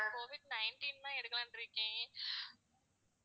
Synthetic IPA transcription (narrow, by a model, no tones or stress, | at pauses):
koːʋɪɖ̚nɐɪnʈinnãːɛɽɯkːɐlãːnɖɪɾɯkːẽː